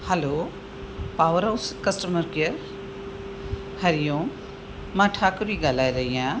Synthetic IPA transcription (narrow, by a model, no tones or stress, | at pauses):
hɛlo | paːʋəɾaʊskɐsʈəməɾkijəɾ | hɐɾijõː | mãːʈʰaːkəbiɡaːlaːiɾɐɦiãː